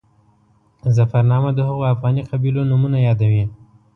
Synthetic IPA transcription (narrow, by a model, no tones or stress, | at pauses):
zafaɾnɑmad̪əhəɣoafɣɑniqabilonumunajɑd̪awi